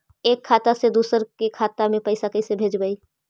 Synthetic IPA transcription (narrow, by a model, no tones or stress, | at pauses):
eːkʰːaːt̪ased̪uːsəɾkekʰaːt̪amẽpɐɪsakəisebʱeːd͡ʒbəiː